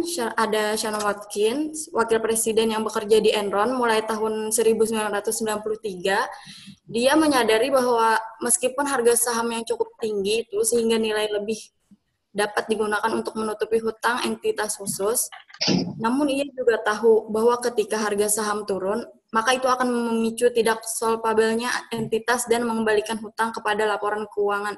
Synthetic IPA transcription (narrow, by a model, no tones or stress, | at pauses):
adaʃanwat̪̚kɪnswakɪlpɾesidɛnjaŋbəkərd͡ʒadiʔɛnɾɔnmulajt̪aɦʊnsəɾibusəmbilanrat̪ʊsːəmbilanpulʊht̪iɡa | diaməɲadaɾibaɦwaməskipʊnɦarɡasaɦamjaŋt͡ʃukʊp̚t̪iŋɡit̪usəhiŋɡanilajləbɪh | dapat̪̚diɡunakanunt̪ʊk̚mənut̪upiɦut̪aŋɛ̰nt̪it̪ashusʊs | namʊnijad͡ʒuɡat̪aɦubaɦwakət̪ikaɦarɡasaɦamt̪uɾʊn | makait̪uakanməmit͡ʃut̪idak̚sɔlpabɛlɲaɛnt̪it̪asdanməŋəmbalikanɦut̪aŋkəpadalapoɾankəuaŋan